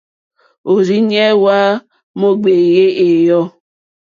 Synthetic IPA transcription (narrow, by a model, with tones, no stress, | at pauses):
o˨ɾi˦ɲɛ˦wa˦ | mo˦ɡ͡be˨je˦ʔe˨jɔ˦